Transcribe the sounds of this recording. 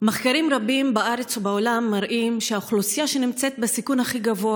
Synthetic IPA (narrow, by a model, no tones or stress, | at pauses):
maχkaɾimʁabimbaʔaɾet͡subaolamːaɾʔimʃeaχlusijaʃe̞nimt͡set̪̚besikunhaχiɡavo̞a